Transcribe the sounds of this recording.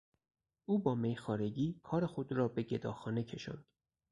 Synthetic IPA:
ʔuːbɒːmejxɒːɾe̞ɟiːkʰɒːɾexo̞d̪rɒːbeɟe̞d̪ɒːxɒːnecʰe̞ʃɒ̰nd̪̥

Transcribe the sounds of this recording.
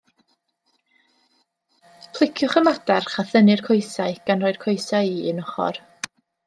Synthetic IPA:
pʰlˠɪkʰjʊχəmadarχaθənɨrkʰɔjsaɨɡ̥anrɔːɨd̥kʰɔjsajiːɪnɔχɔ̰r

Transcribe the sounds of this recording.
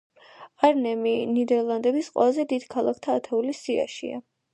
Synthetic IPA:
aɾnɛminid̪ɛɾlˠand̪ɛbisqʼwɛ̰lˠazɛd̪id̪̥kʰalˠakʰt̪ʰaːt̪ʰɛulisia̰ʃḭa̰

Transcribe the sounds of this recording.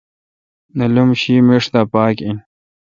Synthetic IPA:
nɐlumɕimiʂd̪apaːkin

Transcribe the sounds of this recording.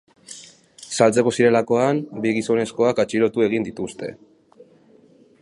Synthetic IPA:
salt͡se̞ko̞siɾe̞lako̞ambiɣiso̞ne̞sko̞akat͡ʃiɾo̞t̪ue̞ɣind̪it̪ust̪e̞̰

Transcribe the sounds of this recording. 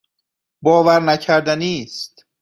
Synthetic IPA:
bɒːvæɾnæcʰæɾd̪æniːst̪

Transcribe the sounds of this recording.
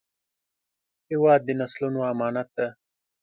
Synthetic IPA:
hɪwɑːd̪ːənaslunoamɑːnat̪̚d̪a

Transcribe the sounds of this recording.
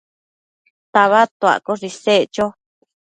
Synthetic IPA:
t̪aβat̪oa̰koʐiset͡ʃo

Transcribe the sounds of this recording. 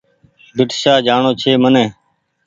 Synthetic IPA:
bɪʈsaːd͡ʒaːɳoːt͡ʃʰeːmənẽː

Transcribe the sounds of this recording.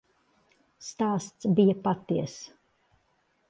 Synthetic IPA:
st̪aːst̪sbijapat̪iɛəs

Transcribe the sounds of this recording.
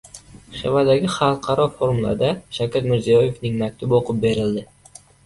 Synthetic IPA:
ʃḛvad̪aɡʲɪχɑlˠqʰɑɾɒfoɾmulˠa̰d̪aʃakʰʲat̪mɪɾzijɒje̞fnɪŋmak̚ʲt̪ʰʊboqʊp̚be̞ɾɪld̪ɪ

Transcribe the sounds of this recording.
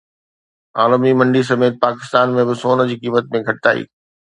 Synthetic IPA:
aːləmimɐ̃ɳɖis̬ɐmeːt̪̚paːkɪ̥st̪aːnmẽbɪsoːnd͡ʑiːkiːmət̪̚mẽɡʱɐʈɪt̪a̰ːḭː

